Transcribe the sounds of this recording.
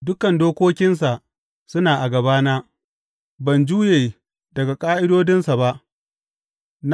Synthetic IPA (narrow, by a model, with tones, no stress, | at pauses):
dʊ˦kɐ˨ndoː˦kʷoː˦kʲɪ˦ns̬a˨ʔ | sʊ˦naː˨ʔa˨ɡɐ˨baː˦naː˦ | bɐ˨nd͡ʒuː˦jeː˨ | dɐ˨ɡa˨kʼaː˦ʔɪ˦doː˦dɪ˦nsa˨ba˦ʔ | n